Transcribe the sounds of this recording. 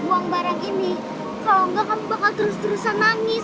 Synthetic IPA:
buaŋbaɾaŋini | kaloŋɡakambaŋat̪əɾʊst̪əɾusanaŋɪs

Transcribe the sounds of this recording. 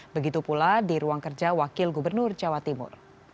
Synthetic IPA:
bəɡit̪upuladiɾuaŋkərd͡ʒawakɪlɡubərnʊrd͡ʒawat̪imʊ̰r

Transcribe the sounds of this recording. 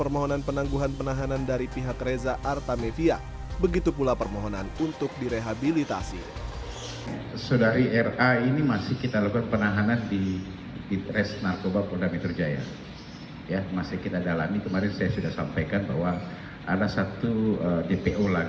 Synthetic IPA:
pərmoɦonanpənaŋɡuɦanpənaɦanandaɾipiɦakrezaʔart̪amefia | bəɡit̪upulapərmoɦonanunt̪ʊk̚diɾeɦabilit̪a̰sḭ | sodaɾiɛrainimasɪhkit̪alakuanpənaɦanandi | diɾɛsnarkobapɔdamet̪ərd͡ʒaja̰ | jamasɪhkit̪adalamikəmaɾɪnsajasudahsampajkanba̰ɦwa | ʔa̰dasat̪uədepeʔola

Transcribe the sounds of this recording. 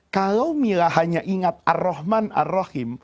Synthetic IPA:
kalawmilahaɲaʔiŋat̪̚ʔa̰rːɔhmana̰rːahɪm

